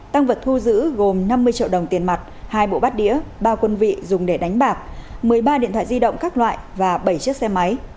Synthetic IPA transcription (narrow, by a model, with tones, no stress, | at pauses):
t̪a˧ŋvə˨˩t̚t̪ʰu˧zɨ̰˧˥ɣo˨˩mna˧mːɨ˧əjt͡ɕḭ˧˨əwɗə˨˩wŋ͡mt̪i˨˩ənma˨˩t̚haː˧jɓo̰˧˨ɓa˦˥t̚ɗḭ˧˥əɓaː˧kwə˧nvḭ˧˨zʊ˨˩ŋ͡mɗe˧˩ɗa˨˦jŋ̟ɓaː˨˩k̚mɨ˨˩əjɓaː˧ɗḭ˧˨nt̪ʰa̰ː˧˨zi˧ɗə̰˧˨wŋ͡mkaː˦˥k̚lwa̰ː˧˨jvaː˨˩ɓə˧˩jt͡ɕɨ˦˥ək̚sɛ˧ma˨˦j